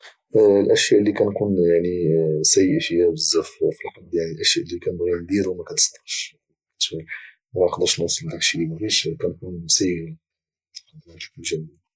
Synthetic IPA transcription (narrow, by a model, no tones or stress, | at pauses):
lʔæʃjæʔlːikænkunjaʕnisæjːəfəjæbəzːæffilħɑd̪ːˤjaʕnilʔæʃjæʔlːikænbɣimd̪iɾwmækæt̪ə̥st̪ɑ̥ʃ | t̪i | mæqd̪əʃnusˤəld̪ækʃilimæbiʃkænkunsæjə | d̪mækunʒæmij